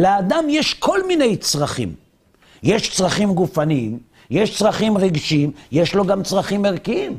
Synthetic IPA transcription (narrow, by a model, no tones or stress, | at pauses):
lead̪amjeʃkʰo̞lmine̞jt͡sʁaχḭm | jeʃt͡sʁaχimɡufaniim | jeʃt͡sʁaχimʁeɡʃimjeʃlo̞ɡamt͡sʁaχimeʁkiim